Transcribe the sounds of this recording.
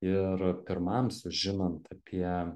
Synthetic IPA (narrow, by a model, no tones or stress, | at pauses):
ɪɾpʲɪɾmɐmsʊʒʲɪnɐnt̪ɐpʲʰiɛ